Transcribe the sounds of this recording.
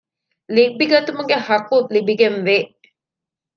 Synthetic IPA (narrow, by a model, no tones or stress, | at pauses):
libiɡɐt̪umuɡehɐkulibiɡenʋe